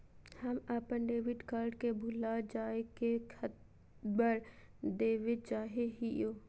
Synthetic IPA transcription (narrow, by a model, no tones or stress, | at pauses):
həmapənɖeːʋɪɖkaːɾɖkebʱʊlad͡ʒaːekekʰət̪ | bəɾ | d̪eːʋɪd̪̚t͡ʃaːɦeɦijoː